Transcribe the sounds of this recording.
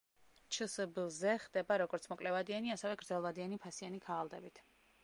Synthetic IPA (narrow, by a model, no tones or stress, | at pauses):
t͡ʃʰəsbizɛχd̪ɛbaɾɔɡɔɾt̪sʰmɔkʼlɛvad̪ianiasɛvɛɡɾd̪zɛlˠvad̪ianipʰasianikʰaːlˠd̪ɛbit̪ʰ